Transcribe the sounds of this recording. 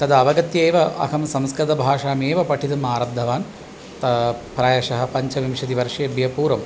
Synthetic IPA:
t̪ɐd̪ɐʋɐɡɐt̪jeːʋɐʔɐ̰kʰɐmsɐmskɾɐt̪ɐbʱaːʂaːmeːʋɐpɐʈʰit̪ɐmaːɾɐd̪ʱːɐʋaːn | t̪ɐpɾaːjɐʂɐɦɐ̆pɐɲt͡ʃɐʋimʂɐd̪iʋɐɾʂɐɐbjɐpuːɾɐm

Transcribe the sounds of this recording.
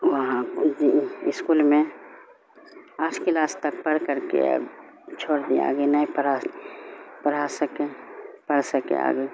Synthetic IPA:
wəɦãkod͡ʒiɪskulmẽ | aːʈʰkɪlaːst̪ək̚pəɾkəɾkḛ | t͡ʃʰoːɽd̪ia̰ːɡenəɦĩpəa | pəɾasəkepəɽsəkḛa̰ːɡe

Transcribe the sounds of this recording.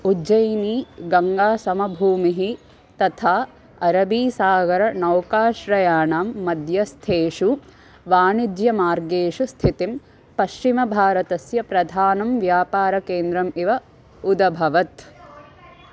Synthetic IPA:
ud͡ʒɐjniːɡɐŋɡaːsɐmɐbʱuːmiɦi | t̪ɐt̪ʰaː | ɐɾɐbiːsaːɡɐɾɐnɐwkaːʃɾɐjaːnaːmːɐd̪jɐst̪ʰeːʂu | ʋaːnid̪jɐmaːɾɡeːʃust̪ʰit̪im | pɐʃt͡ʃimɐbʱaːɾɐt̪ɐsjɐpɾɐd̪ʱaːnɐmʋjaːpaːɾɐkeːnd̪ɾɐmiʋɐ | ud̪ɐbʱɐʋɐt̪

